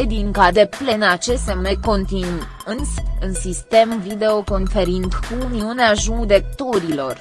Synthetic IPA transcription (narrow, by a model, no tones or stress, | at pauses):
ed̪iŋkad̪e̞plenat͡ʃest̪emeko̞nt̪in | ɨnsɨnsist̪e̞mvid̪e̞o̞ko̞nfeɾint̪kumiuneaʒud̪e̞k̚t̪o̞ɾilo̞r